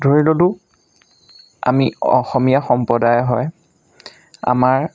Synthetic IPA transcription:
dʱoɹilolʊ | a̰miɔ̰xɔmijaxɔmpɔdajɦɔj | a̰maɹ

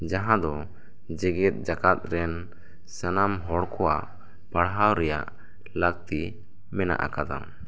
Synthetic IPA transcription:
d͡ʒaɦãd̪ɔ | d͡ʒɛɡɛt̪̚ˀd͡ʒakat̪̚ɾɛn | sanamɦɔɽkʰɔwa̰ʔ | paɽɦawɾɛja̰ʔ | laɡ̚t̪i | mɛna̰ʔa̰kad̪a̰m

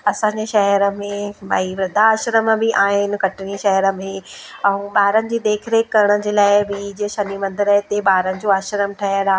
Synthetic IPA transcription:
ɐsãːɲd͡ʑeʃɐɦəɾə̆mẽɓaːiʋɾɐd̪ʱaːʃɾəmbɪʔaːɦɪnɪ̆kɐʈɪniʃɐɦəɾə̆mẽɛ̃ũɓaːɾənɪ̆d͡ʑiːd̪eːkʰɪɾekːɐɾɪɽ̃əd͡ʑeːlaːɪbɪd͡ʑɪʃɐnimɐ̃nd̪ɪɾəɦɪt̪eɓaːɾənɪ̆d͡ʑoaːʃɾəmʈʰɐɦəɾaː

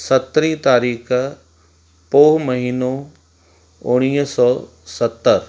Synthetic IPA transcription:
sɐt̪ɾit̪aːɾiːkʰ | poːɦmɐɦiːno | ʊɽ̃iːɦsɔː | sɐt̪ːəɾ

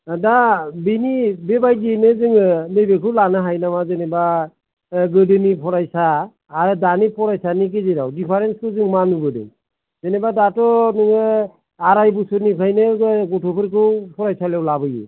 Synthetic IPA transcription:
dabinibebajɡinɯzɯŋlejbekʰɯwlanɯɦajnamazeneba | ɡɯdɯnipʰɔɾajsaː | ɾɯdanipʰɔɾajsanik̬eziɾawdipʰaɾenskʰɯzɯŋmanubɯdɯ̰ | zenebadatɔnɯŋ | aɾajbusɯnikʰajnɯɡɔtʰɔpʰɯɾkʰɯwpʰɔɾajsalewlabɯjɯ̰

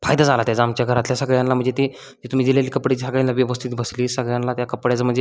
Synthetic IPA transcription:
fajd̪ad͡zalat̪jad͡zamt͡ɕjaɡʱəɾat̪ljasəɡɭjãnlam̤əɳd͡zet̪i | d͡ʑet̪um̤iːd͡ʑilaliːkəpɽet͡ɕisaɡɭẽnlːaʋiəʋəst̪ʰiːt̪bəsliːsəɡɭjãnlat̪jakəpɽjat͡səm̤əɳd͡ze

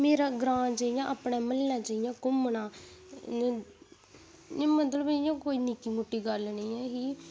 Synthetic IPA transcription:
meːɾaːɡɾãːt͡ʃaːijãːʔəpɳaːməlnaːt͡ʃaːijãːkʊmnaː | mət̪ləbɪjãːkoːiːnikiːmoʈːiːɡəlnə̃ːɛːɦiː

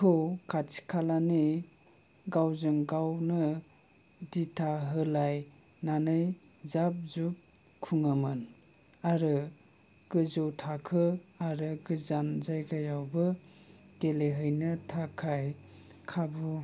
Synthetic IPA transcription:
kʰɯwkʰat͡ʃi̥kʰalani | ɡawzɯŋɡawnɯ | ditʰaɦɯlaj | nanɯj | zap̚zup̚ | kʰuŋamɯn | aɾɯ | ɡ̥ɯzɯwtʰakʰɯaɾɯɡɯzanzajɡajawbɯ | teleɦɯjnɯtʰakʰaj | kʰabu

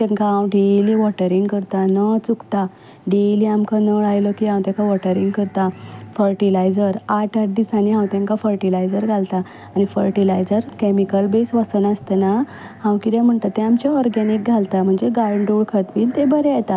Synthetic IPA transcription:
t̪ɛ̃ŋkaɦãwɖeliʋɔʈəɾiŋɡkəɾt̪anət͡sukt̪a | ɖeliamkanəɭajlɔkiɦãwt̪jãkʰaʋɔʈəɾiŋɡkəɾt̪afəɾʈilajd͡zəɾaʈʰaʈ̚d̪isaniɦãwt̪ãŋkafəɾʈilajd͡zəɾɡʱalt̪aː | nifəɾʈilajd͡zəɾkemikəlbesʋəsənəst̪əna | hãwkid̪ɛm̤əɳt̪at̪ːẽamt͡ɕaɔɾɡɛnik̚ɡʱalt̪am̤əɳd͡zeɡaɾɳɖuɭkʰət̪miːnt̪ebəɾɛjɛt̪a

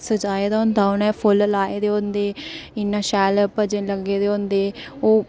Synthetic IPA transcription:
səd͡ʒaːeːd̪aːʊnd̪aːʊnɛːpʰʊllaːeːd̪eːõnd̪eːɪnːãːʃɛːlpəd͡ʒeləɡeːd̪eːõnd̪eːoː

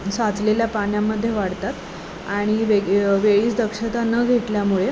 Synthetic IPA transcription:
sat͡sleljapanjamːəd̪ʱːjeʋaɽt̪at̪ | aɽ̃iʋeɡʋeɭiːt͡sd̪əkʂət̪anəːɡʱeʈ̪ljamuɭe

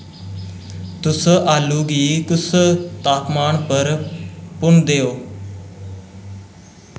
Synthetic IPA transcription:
t̪ʊsaːluːɡiːt̪ʊst̪aːpmaːnpəɾpʊɳd̪eːoː

